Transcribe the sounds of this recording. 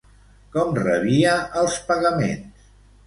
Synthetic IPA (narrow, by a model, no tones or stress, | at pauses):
kɔmrə̰βiəʔəlˠspəɣəmḛns